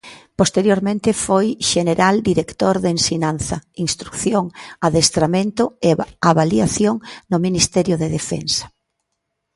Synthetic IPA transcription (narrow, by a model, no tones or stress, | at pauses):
post̪eɾjoɾmẽnt̪ɪfojʃeneɾald̪iɾekt̪oɾðensinanθɐinst̪ɾukθjoŋaðest̪ɾamẽnt̪ʊeaβaliaθjoŋnʊminist̪ɛɾjʊðeðefɛ̰nsɐ̥